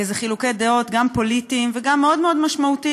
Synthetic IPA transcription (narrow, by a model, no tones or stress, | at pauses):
ezeχilukejd̪eo̞t̪ɡampo̞lit̪iːmveɡamːeo̞d̪meo̞d̪maʃmaut̪i